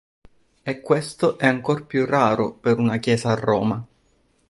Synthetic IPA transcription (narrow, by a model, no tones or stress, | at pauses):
ekːwest̪oʔɛaŋkorpjurːaːɾopeɾunakjɛːsaːrːɔːma